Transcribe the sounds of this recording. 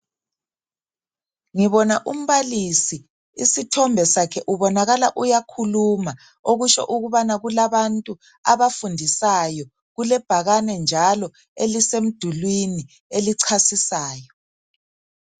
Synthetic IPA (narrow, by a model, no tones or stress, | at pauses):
ŋiβɔnaʔum̩βalisi | isitʰɔmbʱɛsakʰɛʔuβɔnaɣalaʔujakʰuluma | oɣuʃɔ̰ʔuɣuβanaɣulaβantʼu | aβafundʱisajɔ | ɣulɛb̥ʱaɣanɛnd͡ʒʱalɔ | elisem̩d̥ʱulwini | eliǀʰasisaːjɔ